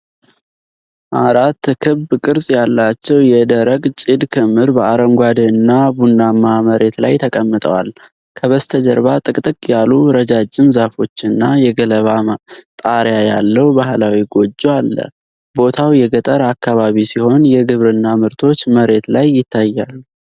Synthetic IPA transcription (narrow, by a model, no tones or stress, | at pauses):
ʔaɾat̪ːkʰɨβbkʼɨɾsʼjalːat͡ʃːɛwjɛd̪əɾəɡt͡ʃʼid̪kʰɨmɨɾbəaɾəŋɡʷad̪ənːabunːamaməɾʔe̞t̪la̰jt̪ʰəkʼəmːɨt̪ʼə̰wa̰l | kʰəβəst̪ʰəd͡ʒəɾbat̪ʼɨkʼt̪ʼɨkʼjaluɾəd͡ʒad͡ʒːɪmzafo̞t͡ʃːɨnːajɛɡələβat̪ʼaɾjajalːəwbaɦlawiɡo̞d͡ʒːoalːə̰ | bo̞t̪ʰawjɛɡət̪ʼəɾakːaβaβisiho̞njɛɡɨβɾɨnːamɨɾt̪ʰo̞t͡ʃːməɾe̞t̪lajːɪt̪ʰːajːalːu